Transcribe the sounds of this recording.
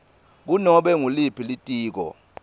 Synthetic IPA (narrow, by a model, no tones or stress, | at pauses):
k̬unɔɓɛŋulipʰilitʼiːk̬ɔ̰